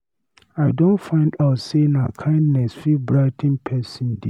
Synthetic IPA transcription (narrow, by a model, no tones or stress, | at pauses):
aɪdõntfãɪ̃ndaʊtsena̰kʰãɪ̃ndnɛsfibɹaɪtʰĩnpʰɛsĩndi